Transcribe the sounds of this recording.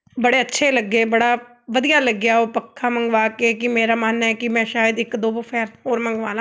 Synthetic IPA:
bəɽeːətːʃʰeːləɡːeːbəɽaː | ʋəd̪ijaːləɡːɪjaːoːpəkʰːaːmə̃ŋɡʋaːkekɪmeːɾaːmaːnːɛkɪmɛ̃ːʃaːjəd̪ɪkd̪oːbəpʰɛːɾɦoːɾmə̃ŋɡʋaːlã

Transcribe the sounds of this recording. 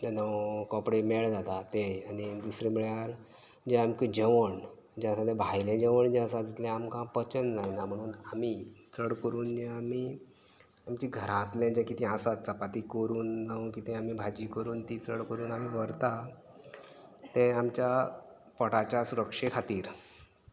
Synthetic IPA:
t̪nəʋkɔpɽemeɭd͡zat̪at̪eanid̪usɾẽmiɭjaɾ | d͡ʑɛ̃amkid͡ʑəʋəɳ | d͡ʑɛ̃əsãd̪ɛ̃bʱajlẽd͡ʑeʋəɳd͡ʑɛ̃əsãd̪it̪lɛ̃amkãpət͡ɕənd͡zajnam̤əɽ̃uːnamit͡səɽkəɾuːnd͡ʑẽami | amt͡ɕiːɡʱəɾãt̪lɛ̃d͡ʑɛ̃kit̪ʰĩasat͡sapat̪ikəɾuːnːaũkit̪ɛ̃amibʱad͡ʑiːkəɾuːnt̪it͡səɽkəɾuːnamiʋəɾt̪a | t̪ɛ̃amt͡ɕja | pɔɽat͡ɕjasuɾəkʂekʰat̪iːɾ

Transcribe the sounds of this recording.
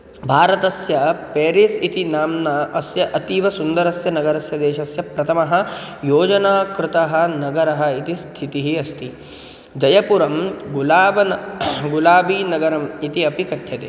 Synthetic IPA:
bʱaːɾɐt̪ɐsjɐpeːɾisit̪inaːmnɐʔɐsjɐʔɐt̪iʋɐsund̪ɐɾɐsjɐnɐɡɐɾɐsjɐd̪eːʃɐsjɐpɾɐt̪ʰɐmɐɦɐ̆joːd͡ʒɐnaːkɾɪt̪ɐɦɐ̆nɐɡɐɾɐɦɐit̪ist̪ʰit̪iɦiɐst̪i | d͡ʒɐjɐpuɾɐmɡulaːbɐnɡulaːbiːnɐɡɐɾɐmit̪iɐpikɐt̪ʰjɐt̪ḛː

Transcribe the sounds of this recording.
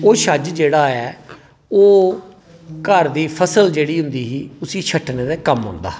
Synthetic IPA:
oːʃəd͡ʒd͡ʒeːɽaːɛː | oː | kəɾd̪iːpʰəsəld͡ʒeːɽiːɦʊ̃nd̪iːɦiːʊsiːt͡ʃʰəʈneːd̪aːkəmɦʊ̰̃ːnd̪a̰ː

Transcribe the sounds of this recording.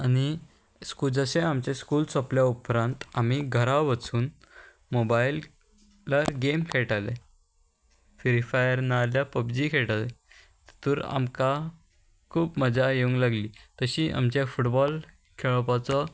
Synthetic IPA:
añi | skuːd͡zəɕeamt͡ɕeskuːlsɔpljaupɾãnt̪am̤iɡʱəɾaʋət͡suːn | mobail | laɡemkʰeɭʈalḛ | ʋeɾifajəɾnaljapəbd͡ʑiːkʰeʈale | t̪t̪uɾa̰mka | kʰuːpməd͡zʱajeũŋɡlaɡliːt̪əɕiːʔa̰mt͡ɕafuʈbɔl | kʰeɭɔpat͡sɔ

